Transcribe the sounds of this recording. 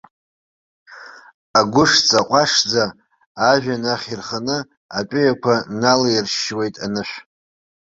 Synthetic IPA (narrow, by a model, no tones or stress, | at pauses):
aɡʷʊʂt͡sʼaqʷʼaʂd͡zaː | ʒᶣanaχʲirχanɨ | apʼɪjakʷʰanalairʃwe̞jtʼanɨʃʷᶣ